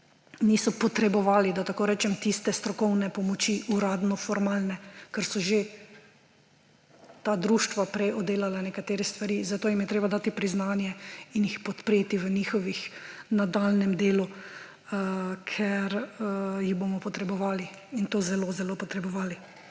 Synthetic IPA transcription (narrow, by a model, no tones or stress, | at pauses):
niːsɔpɔt̪ɾɛbɔʋaːlid̪at̪akoːɾɛːt͡ʃɛmt̪ist̪ɛst̪ɾɔkɔwnɛpɔmɔt͡ʃiʔuɾaːd̪nɔfɔɾmaːlnɛkɛɾsɔʒe | t̪aːd̪ɾuːʃt̪ʋapɾɛjɔd̪eːlalanɛkat̪eːɾɛst̪ʋaɾiːzat̪oːjimjɛt̪ɾeːbad̪aːt̪ipɾiznaːnjɛinjixpɔt̪pɾeːt̪iʋəniːxɔʋixnad̪alnɛmd̪eːlu | əkʰɛɾjiɣboːmɔpɔt̪ɾɛbɔʋaːli | int̪oːzɛlozɛloːpɔt̪ɾɛbɔʋaːli